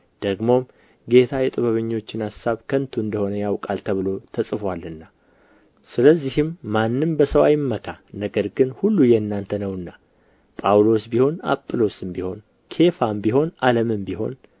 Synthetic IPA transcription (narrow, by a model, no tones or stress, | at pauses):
d̪̥əɡmo̞m | ɡe̞t̪ʰajɛt̪ʼɨβəβɨɲːo̞t͡ʃːɪnasaβkʰənt̪ʰuɨnd̪əho̞nəjawkʼalt̪ʰəβɨlo̞t̪ʰəsʼɨfwalɨnːa | sɨləzːihɪmːanːɨmbəsəwa̰jmːəkʰanəɡəɾɡɨnhulːujɛnːant̪ʰənəwɨnːa | pʼawlo̞sbiho̞na̰pʼːɨlo̞sɨmbiho̞n | kʰe̞fambiɦo̞naləmɨmbiɦo̞̰n